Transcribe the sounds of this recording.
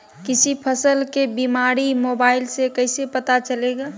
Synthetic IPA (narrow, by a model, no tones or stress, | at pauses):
kɪsipʰəsəlkebimaɾimobaːɪlsekəɪsepət̪at͡ʃəleɡa